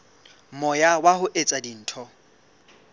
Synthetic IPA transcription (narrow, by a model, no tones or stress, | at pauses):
mɔjawahʊʔet͡sʼadin̩ːtʰɔ